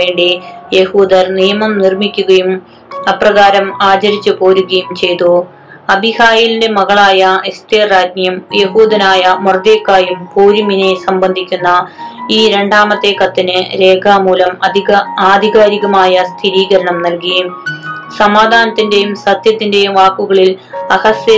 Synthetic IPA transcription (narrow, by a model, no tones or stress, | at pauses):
e̞ːɳɖije̞huːd̪ɐɾnijɐmɐmnirmikʲːuɣɐjum | ɐprɐɣaːɾɐmaːt͡ɕɐɾit͡ɕːɨpo̞ːɾuɣɐjumt͡ɕe̞jt̪u | ɐbʱihaːjilinde̞mɐɣɐɭaːjɐest̪eːraːd͡ʑnjɐmje̞huːd̪ɐnaːjɐmurd̪eːkːaːjumpoːɾuminesɐmbɐnd̪ʱikʲːunːɐiːɾe̞ɳɖaːmɐt̪ːekːɐt̪ːinɨɾe̞ːɡʰʱaːmuːlɐmɐiaːd̪ʱiɣaːɾiɣɐmaːjɐst̪ʰiɾiːɣɐɾɐɳɐmnɐlkij | sɐmaːd̪ʱaːnɐt̪ːinde̞jumsɐt̪jɐt̪ːinde̞jumʋaːkːuɣɐɭil | ɐhɐsjɐ